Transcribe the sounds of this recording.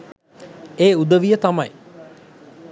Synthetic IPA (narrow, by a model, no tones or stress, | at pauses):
eːud̪əʋijət̪amɐj